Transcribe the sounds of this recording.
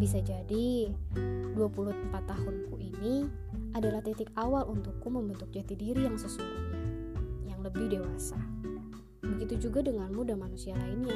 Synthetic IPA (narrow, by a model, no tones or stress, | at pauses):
bis̬ad͡ʒadi | duapulum̩pat̪ːaɦʊnkuʔini | adalaht̪ɛt̪ɪkawalunt̪ʊkːuməmbənt̪ʊk̚d͡ʒat̪idiɾijaŋsəsua | jaŋləbɪhdewasa | bəɡit̪ud͡ʒuɡadəŋanmudamanusialaɪnɲa